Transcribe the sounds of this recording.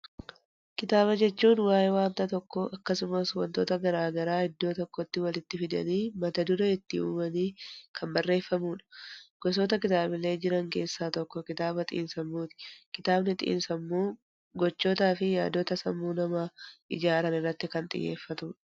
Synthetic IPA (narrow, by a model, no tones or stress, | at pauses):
kɪt̪aːbɐd͡ʒɛt͡ʃːuːnwaːjɛwaːnt̪ɐt̪ɔkːɔʔɐkːɐsʊmɐswɐ̰nt̪o̰ːt̪ɐɡɐɾaːɡɐɾaːɪd̪ːo̞ːt̪ɔkːɔt̪ːɪwɐlɪt̪ːɪfɪd̪ɐ̰niːmɐt̪ɐd̪ʊɾɐɪt̪ːɪṵːmɐniːkʰɐmbɐrːe̞ːfːɐmuːᶑɐ̥ɡ̥ɔs̬oːt̪ɐkɪt̪aːbɪle̞ːd͡ʒɪɾɐŋke̞ːsːaːt̪ɔkːɔkɪt̪aːbɐt̪ʼɪ̰ːnsɐmːuːt̪ɪ̥kɪt̪aːbnɪt̪ʼɪ̰ʔːnsɐmːuː | ɡɔt͡ʃːo̞ːt̪aːfɪjaːd̪ːoːt̪ɐsɐmːuːnɐmaːʔɪd͡ʒaːɾɐnɪrːɐt̪ːɪkɐnt̪ʼɪ̰jːḛːfːɐt̪ʊɐ̥